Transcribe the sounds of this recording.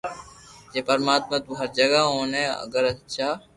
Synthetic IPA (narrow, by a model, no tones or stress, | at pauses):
d͡ʒeːpəɾmaːt̪̚mət̪uːɦɐɾd͡ʒəɡaːɦõːnẽːə̰ɡəɾət͡ʃʰaː